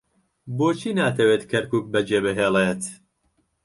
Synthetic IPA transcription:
boːt͡ʃʰiːnaːt̪ʰɐweːt̪kʰɐɾkuːk̚bɐd͡ʒeːbɨɦeːlet̪

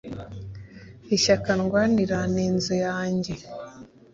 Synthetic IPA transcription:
iʃakanɡwaːniɾaniːnzojaːɲɟe̞

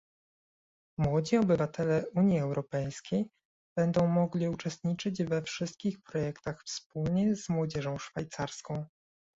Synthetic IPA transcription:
mwɔd͡ʑiɔbɘvat̪ɛlɛuɲjiɛwɾɔpɛjskʲej | b̥ɛnd̪ɔ̃w̃mɔɡlʲiut͡ʂɛst̪ɲit͡ʂɘd͡ʑvɛfʂɘst̪̚kʲixpɾɔjɛkt̪axfspulɲɛzmwɔd͡ʑɛʐɔ̃w̃ʂfajt̪saɾskɔ̃w̃

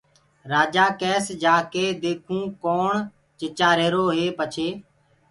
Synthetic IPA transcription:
ɾaːd͡ʒaːkɛːsd͡ʒaːkeːd̪eːkʰũːkoːɳ | t͡ʃɪt͡ʃaːɾeːɾoːɦeːpət͡ʃʰeː

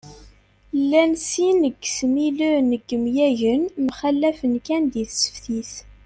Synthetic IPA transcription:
lːænsinəɡsmiluɾnəɡːəmjæʝənmχælːæfənkænd̪iθsə̥fθiθ

